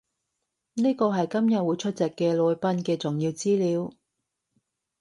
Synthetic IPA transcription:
niː˥kɔː˧ɦɐ˨jkɐ˥mjɐ˨t̚wu˨˧jt͡ʃʰɵ˥t̚t͡sɛ˨kːɛː˧lɔː˨˧jpɐ˧˥nkɛː˧t͡sʊ˨˩ŋjiː˧wt͡siː˥liː˨˧w

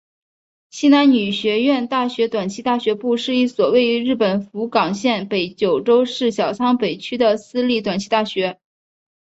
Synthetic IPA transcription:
ɕi˥na˧˥nny˨˩ɕɥɛ˧˥ɥɛ˥˧nt̪a˥˩ɕɥɛ˧˥t̪wa˨˩nt͡ɕʰi˧˥t̪a˥˩ɕɥɛ˧˥pu˥˧ʂɻ̩˥˧i˥˩swɔ˨˩we˥˩˧ɪy˧˥ɻɻ̩˥˩pə˨˩nfu˧˥kɑ˨˩ŋɕjɛ˥˩npe˧˥ɪt͡ɕjo˨˩ʊʈ͡ʂo˥ʊʂɻ̩˥˩ɕjɑ˨˩ʊt͡sʰɑ˥ŋpe˨˩ɪt͡ɕʰy˥d̪ə˨sɹ̩˥li˥˩t̪wa˨˩nt͡ɕʰi˧˥t̪a˥˩ɕɥɛ˧˥

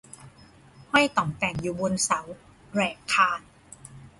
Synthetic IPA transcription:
hɔ˥˩jt̪ɔ˨˩ŋt̪ɛː˨˩ŋjuː˨˩bo˧nsa˩˦w | ɾɛː˨˩kʰːaː˧n

